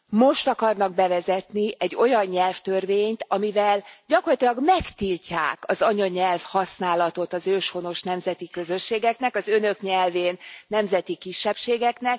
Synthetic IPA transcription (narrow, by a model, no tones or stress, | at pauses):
mo̞ʃt̪ɒkɒrnɒɡ̚bɛvɛzɛt̪niʔɛɟːo̞jɒɲːɛlft̪ørveːɲt̪ɒmivɛlɟɒkorlɒt̪olɒɡmɛkt̪ilʲca̰ːkɒzɒɲɒɲɛlfhɒsnaːlɒt̪o̞t̪ɒzøːʃho̞no̞ʃnɛmzɛt̪ikø̞zø̞ʃːeːɡɛknɛkɒzø̞nø̞kɲɛlveːnːɛmzɛt̪ikiʃːɛpʃeːɡɛknɛk̚